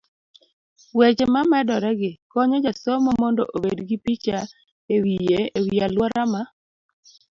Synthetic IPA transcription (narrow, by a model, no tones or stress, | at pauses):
wet͡ʃemamɛdɔɾɛɡɪkɔɲɔd͡ʒasɔmɔmɔndɔ̰ʔobedɡɪpit͡ʃa | ewijeewialwɔɾama